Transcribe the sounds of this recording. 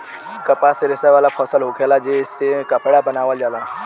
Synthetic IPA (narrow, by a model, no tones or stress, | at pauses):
kɐpaseɾɪsaʋaːlapʰɔːsəlɦoːkʰeːlad͡ʒeɪsːekɐpɽabɐnaːʋəld͡ʒaːlaː